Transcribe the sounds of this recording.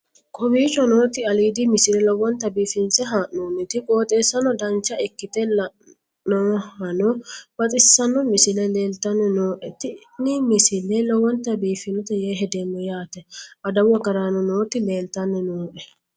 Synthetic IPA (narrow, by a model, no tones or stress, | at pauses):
kʼɔbiːt͡ʃɔnoːt̪ɪɐliːd̪imɪsɪlɛlɔwɔnt̪ɐbiːfɪnsɛɦaːʔnoːnːɪt̪ɪkʼoːt̪ʼe̞ːsːɐnɔd̪ɐnt͡ʃːɐɪkːɪt̪ɛlɐ | nɔhɐnɔb̥ɐt̪ʼɪsːɐnːɔmɪsɪlɛle̞ːlt̪ɐnːɛnoːʔɛt̪ɪ | nɪmɪsɪlːɛlɔwɔnt̪ɐbiːfɪnɔt̪ɛjeːɦɛd̪enːɔjaːt̪ɛʔɐd̪ɐwɐɡɐɾanɔnoːt̪ɪleːlt̪ɐnːɛnoːʔɛ